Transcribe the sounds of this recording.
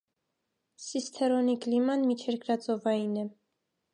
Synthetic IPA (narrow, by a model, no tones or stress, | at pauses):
sist̪ʰɛɾɔniklimɑnmit͡ʃʰɛɾkɾɑt͡sɔvɑjinɛ